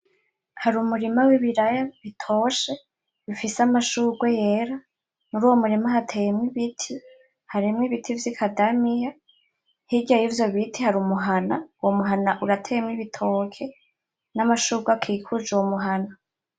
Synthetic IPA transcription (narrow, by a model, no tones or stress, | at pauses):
haɾumuɾimawiβiɾajaβitʰoʃe | βifiseamaʃuːɡwejeɾa | nuɾuːwomuɾimaɦatʰejemŋiβitʰi | haɾimŋiβitʰivjikʰadamija | hiɟajiːvjo̞βitʰihaɾuːmuɦanauwomuɦanaʔuɾatʰejemŋiβitʰokʰe̞ | namaʃuːɡwakʰikʰud͡ʒuwomuɦana